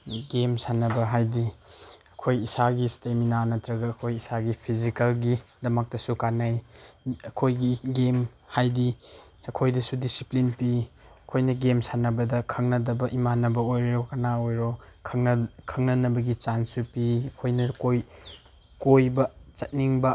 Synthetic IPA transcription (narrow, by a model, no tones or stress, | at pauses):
ɡemsanɐbɐɦajdiɐkʰojisaɡisteminanɐtɾɐɡɐːkʰojisaɡipʰizikɐlɡidɐmɐk̚tɐsukanajɐkʰojɡiɡem | hajdi | ɐkʰojdɐsudisiplinpi | ɐkʰojnɐɡemsanɐbɐdɐkʰɐŋnɐdɐbɐʔimanɐbɐojɾeɔkɐnaojɾɔkʰɐŋkʰɐŋnɐnɐbɐɡit͡ʃansupiɐkʰojnɐkoj | kojbɐt͡ʃɐt̚niŋbɐ